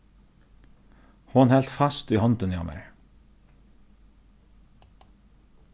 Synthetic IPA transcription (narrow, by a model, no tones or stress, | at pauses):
hɔnhɛlt̪fɑst̪iːhɔnt̪ʉnjɑ̰mə̰ɹ